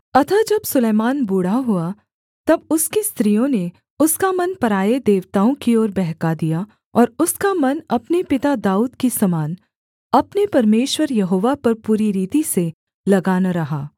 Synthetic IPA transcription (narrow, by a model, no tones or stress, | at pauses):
ɐt̪ʰad͡ʒɐbsʊleːmaːnbuːɽaɦʊa | t̪ɐbʊskist̪ɾijõne | ʊskamɐnpɐɾaːjed̪eːʋt̪aːõkiɔːɾbɛɦkad̪ija | ɔːɾʊskamɐnɐpnepɪt̪ad̪aːuːd̪kisɐmaːn | ɐpnepɐɾmeːʃwəɾjɐɦoːʋapɐɾpuːɾiɾiːt̪ise | lɐɡaːnaɾɐɦaː